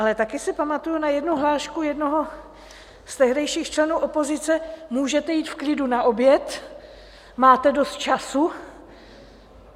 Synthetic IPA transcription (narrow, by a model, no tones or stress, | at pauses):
ʔalɛt̪akɪsɪpamat̪ujunajɛdnuɦlaːʃkujɛdnoɦo | st̪ɛɦdɛjʃiːxt͡ʃlɛnuːʔopo̞zɪt͡sɛmuːʒɛt̪ɛjiːt̪fklɪdunaʔo̞bjɛt̪ | maːt̪ɛdo̞st̪̚t͡ʃasu